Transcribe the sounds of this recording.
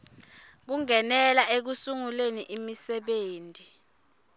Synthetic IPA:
k̬uŋɛnɛlaek̬usuŋuleniʔimisɛɓeːntʼi

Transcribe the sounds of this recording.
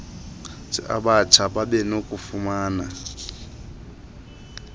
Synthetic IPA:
tʰʼiʔa̰ɓat͡ʃʰaɓaɓɛnokʼufumaːna

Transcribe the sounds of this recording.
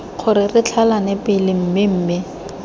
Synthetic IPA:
k͡xʰʊɾɪrɪt͡ɬʰalanɛpɪlɪm̩mɪm̩ːmɪ

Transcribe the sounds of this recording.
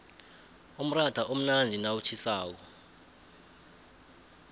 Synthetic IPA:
um̩rataʔom̩nandʱinawut͡ʃʰisaːk̬ɔ

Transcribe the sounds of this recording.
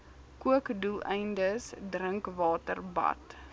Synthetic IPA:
kuəkdulˠɛjndəsdɾəŋkvɑːtərbɐ̰t

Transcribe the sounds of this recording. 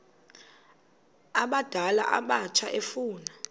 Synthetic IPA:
aɓad̥ʱala̰ʔa̰ɓat͡ʃʰaʔefuːna

